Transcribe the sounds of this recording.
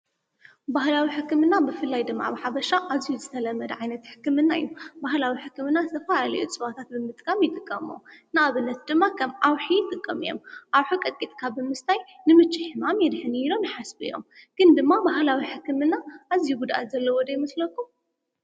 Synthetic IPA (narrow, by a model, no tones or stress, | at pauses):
bahlawiħɨkːɨmɨnːabɨfɨlːajd̪ɨmːa̰βɨħabɐʃaʔazijuzɨt̪ʰɐlɐmːɐd̪ʕajnɐt̪ħɨ̥kːɨmɨnːajubahlawiħɨkːɨmɨnːazɨt̪ʰɐfalalɐ̰jut͡sʼɨβat̪ʰat̪̚bɨmɨt̪ʼkʼamjɪt̪ʼɨkʼːɐmo̰nɨaβɨnːɐt̪̚d̪ɨmːakʰɐmʔawħijt̪ʼɨkʼːɐmijo̞̰mʔawħukʼɨt̪̚ʼkʼit̪ʼkʰabɨmɨst̪ʰaj | nɨmɨt͡ʃːɨħɨmamjɛd̪ħɨniilo̞mħasbɨ̰jo̞̰mɡ̥ɨnd̪ɨmːabaɦlawiħɨkːɨmɨnːaʔazijuɡud̪ʔa̰t̪zɐlːɐwɔd̪ɐjimɐslɐkʰːum